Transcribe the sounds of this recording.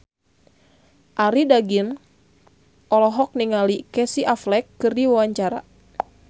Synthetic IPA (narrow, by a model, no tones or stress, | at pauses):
ʔaɾidaɡin | ʔɔlɔɦɔk̚niŋalikɛsiʔaflɛkːɨrdiwawaɲt͡ʃaɾa̰